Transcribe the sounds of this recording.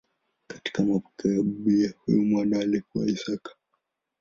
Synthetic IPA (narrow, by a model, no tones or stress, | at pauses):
kḁti̥kamapɔ̥kɛjaɓiahṵjɔmwaɗaːlikua̰isakḁ